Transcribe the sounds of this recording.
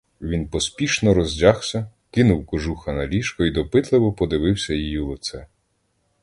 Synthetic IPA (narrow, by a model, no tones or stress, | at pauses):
ʋʲinpɔspʲiʃnɔɾɔzʲdʲaxsʲɐ | kɪnʊwkɔʒuxɐnɐlʲiʃkɔid̪ɔpɪt̪lˠɪʋɔpɔd̪ɪʋɪwsʲɐjijilˠɪt̪sɛ